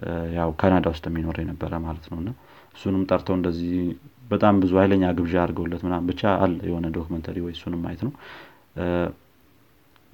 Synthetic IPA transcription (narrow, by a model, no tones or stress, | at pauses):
jawkʰanad̪awʊst̪ʼɛmːino̞ɾəjɛnəbːəɾəmalət̪nəwɨnːa | ʔɨsːunɨmt̪ʼəɾt̪ʰəwɨnd̪əzːihbət̪ʼambɨzuajləɲːaɡɨβʒaaɾɡəwlːət̪mɨnːambɨt͡ʃːaalːəjɛ̰ho̞nəd̪okʰumənt̪ʰəɾiwɔjɨsːunɨmːa̰jɛt̪nəw